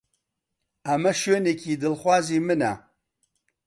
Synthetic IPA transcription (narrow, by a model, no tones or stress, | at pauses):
ɐmɐʃoːnekʰiːd̪ɨlxʷaːziːmɨnɐ̰